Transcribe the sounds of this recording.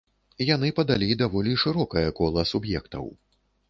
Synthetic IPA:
janɨpɐd̪alʲid̪avɔlʲiʂɨɾɔkɐjɐkɔlˠɐsubjɛkt̪ɐ̰w

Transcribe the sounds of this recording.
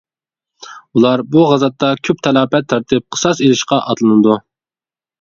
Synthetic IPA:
ulˠɑɾbuʁɑzɑt̪ːɑkʲʰøp̚t̪ʰɛlˠɑːpɛt̪ʰːɑɾt̪ʰɨp̚qʰə̥sɑselɪʃqɑʔɑt̪lˠɨnɨd̪u

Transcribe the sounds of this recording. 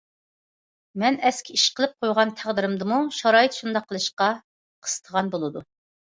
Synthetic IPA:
mɛnɛskʲʰiiʃqʰəlˠɨp̚qʰojʁɑnt̪ʰæʁd̪ɪɾɪmd̪ɨmuʃɑɾɑːjɨt̪ʃund̪ɑqʰːəlˠɨʃqɑ | qʰə̥sɨ̥t̪ʰəʁɑnbolˠɨd̪u

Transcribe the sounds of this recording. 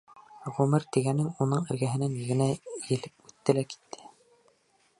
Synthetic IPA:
ʁʉmɘɾt̪iɡænɘŋunɤɴɘ̆ɾɡæɦɘ̆næniɡɘ̆næjɘ̆lɘp̚ʉt̪ːɘlæki̥t̪ʰːɘ̥

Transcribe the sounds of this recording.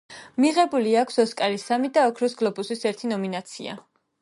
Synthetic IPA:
miʁɛbuliakʷʰsɔskʼalisamid̪aɔkʰɾɔsɡlˠɔbusisɛɾt̪ʰinɔminat̪sʰḭa̰

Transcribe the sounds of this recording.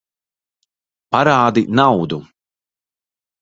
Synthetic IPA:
paɾaːd̪inawd̪u

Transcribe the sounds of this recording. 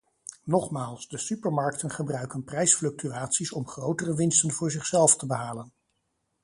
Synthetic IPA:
nɔχmaːlˠsdəsypəɹmɑɹk̚tənχəbrœɥkənprɛjsflɵk̚tyaːtsisɔmχrowtərəʋɪnstənvʊːɹzɪχsɛlˠftəbəɦaːlən

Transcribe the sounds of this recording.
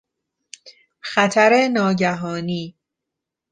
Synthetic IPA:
xæt̪ʰæɾenɒːɟæɦɒːniː

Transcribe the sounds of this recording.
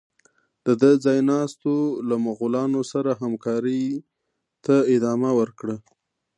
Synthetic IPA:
d̪̥əd̪əd͡zɑjnɑst̪olamaɣulɑnosaɾaɦamkɑɾəj | t̪aɪd̪ɑmawəɾkɽə

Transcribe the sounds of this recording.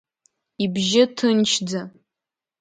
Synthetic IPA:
ibʒɪtʰɨnt͡ʃʰd͡za

